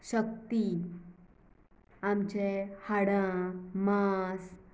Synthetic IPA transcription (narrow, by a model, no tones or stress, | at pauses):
ɕək̚t̪i | amt͡ɕehaɽãmas